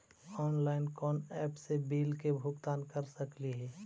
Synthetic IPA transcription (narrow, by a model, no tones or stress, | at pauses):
ɔːnlaːɪnkɔːnɛːpsebiːlkebʱʊɡt̪aːnkəɾsəkliɦɛː